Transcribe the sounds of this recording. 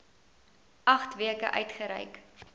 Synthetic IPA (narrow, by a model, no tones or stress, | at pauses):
ɐχtviəkə̰ʔœ̰ɥtχəɾə̰jk